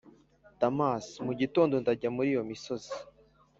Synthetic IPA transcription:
tamasmuɟitoːndondaɟamuɾijo̞miso̞z̥i̥

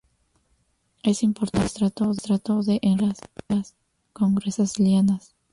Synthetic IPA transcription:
esimpoɾt̪ast̪ɾat̪oðet̪ɾat̪oðeʔenlaslas | koŋɡɾesasljanas

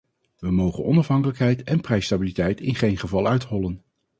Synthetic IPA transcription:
ʋəmowχənɔnɑfɦɑŋkələkɦɛjtɛnprɛjstabilitɛjtɪnχejnχəvɑlˠœɥthɔlən

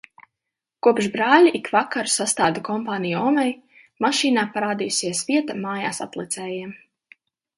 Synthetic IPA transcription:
kuɔpʃbɾaːlʲiʔikvakaɾsast̪aːd̪akɔmpaːnijuɔːmɛj | maʃiːnaːpaɾaːd̪iːusiɛsviɛt̪amaːjaːsat̪lˠit̪sɛːjiɛm

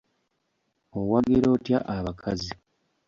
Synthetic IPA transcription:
owaɡeɾo̞ːtja̰ʔaβakʰazi

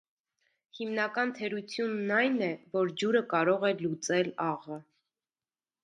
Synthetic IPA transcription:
himnɑkɑnt̪ʰɛɾut͡sʰjunːɑjnɛvɔɾd͡ʒuɾəkɑɾɔʁɛlut͡sɛlɑʁə

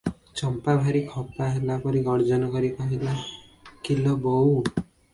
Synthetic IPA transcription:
t͡ʃɔmpabʱaɾikʰɔpaɦelapɔɾiɡɔɾd͡ʒɔnɔkɔɾipaɦila | kilɔbɔw

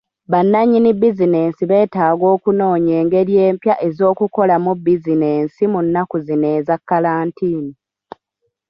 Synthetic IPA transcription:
βanːaɲːinibːizine̞ːnsiβe̞ːtaːɡo̞ːkuno̞ːɲe̞ːŋɡe̞ɾje̞ːmpjaʔe̞zo̞ːkuko̞lamubːizine̞ːnsimunːakuzine̞ːzakːalaːntiːni

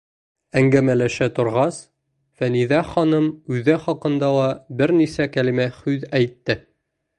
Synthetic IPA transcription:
æŋɡæmælæʃæt̪ŏɾʁɑs | fæniðæχɒnɤmʉðæχɒqɤ̆nd̪ɑlˠɑbɘɾnisækælimæχʉðæjt̪ːɘ

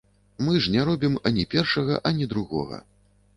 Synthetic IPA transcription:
mɨʐnʲɛɾɔbʲimɐnʲipʲɛrʂɐɣɐ̰ʔɐnʲid̪ɾuɣɔ̰ɣɐ̰

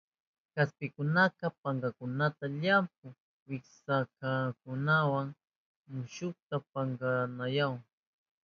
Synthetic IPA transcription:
kaspɪkʊnaqɑpaŋɡɑkʊnat̪aʎamp̚ʊŋ | wɪksakakʊnawaŋ | mʊʃʊk̚t̪apaŋɡanajaw

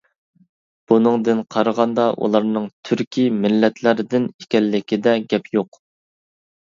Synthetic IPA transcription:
b̥unɨŋd̪ɨnqʰɑɾəʁɑnd̪ɑʔṵlˠɑɾnɨŋt̪ʰyɾkʲʰimɪlːɛt̪ʰlæɾɪd̪ɪnikʲɛlːɪkʲid̪ɛɡʲɛpjoq

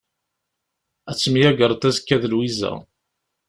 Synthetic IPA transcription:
æt͡sːmijæɡəɾˤt̪æzkːæðəlwizæ̰

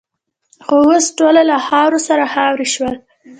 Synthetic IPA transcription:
xowəsʈolalahɑwɾosaɾahawɾiʃwəl

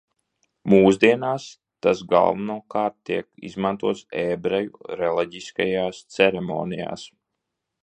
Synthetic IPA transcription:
muːzd̪iɛnaːs | t̪asɡa̰lˠvunuɔkaːɾt̪ːiɛkḭzmant̪uɔt̪seːbɾɛjṵɾɛlˠiɟiskajaːst̪sɛɾɛmo̰ːnija̰ːs

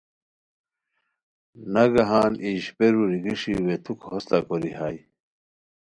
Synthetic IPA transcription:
nɐɡɐɦaːnʔiʑpeɾuɾiɡiʂḭwet̪ʰukhost̪akoɾihaːj

